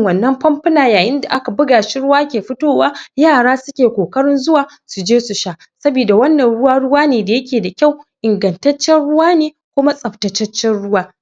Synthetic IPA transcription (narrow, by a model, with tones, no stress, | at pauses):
ŋwɐ˨nːɐ˦mɸɐ˦mɸɐ˦naː˨jaː˨jɪ˦nda˨ʔa˦ka˨bʊ˦ɡaː˨ʃɪ˦ɽʊ˦waː˦kʲeː˨ɸɪ˦toː˦˨waː˦jaː˦˨ɽaː˦sʊ˦kʲeː˨kʷoː˨kɐ˦ɽɪ˦nzʊ˦waː˨ | su˨d͡ʒeː˦su˨ʃa˦˨ʔ | sɐ˦biː˨da˨wɐ˦nːɐ˨nɽʊ˦waː˦ɽʊ˦waː˦neː˨da˨jɐ˦kʲeː˨da˨kʲa˦˨wʔɪ˨ŋɡɐ˨ntɐ˦t͡ʃːɛ˦nɽʊ˦waː˦neː˨ | kʷʊ˦ma˦sʼɐ˨ptɐ˨t͡ʃɐ˦t͡ʃːɛ˦nɽʊ˦waː˦